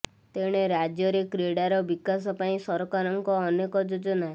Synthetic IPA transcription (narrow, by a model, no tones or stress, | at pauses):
t̪eɽ̃eɾad͡ʒjɔɾekɾeɽaɾɔbikasɔpaĩsɔɾɔkaɾɔŋkɔːnekɔd͡ʒod͡ʒɔna